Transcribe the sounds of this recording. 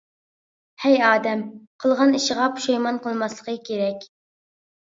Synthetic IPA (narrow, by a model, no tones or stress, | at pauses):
hɛjɑːd̪ɛmqʰəlˠʁɑniʃəʁɑpʰu̥ʃɑjmɑnqəlˠmɑslˠəqəkʲʰeɾɛkʲ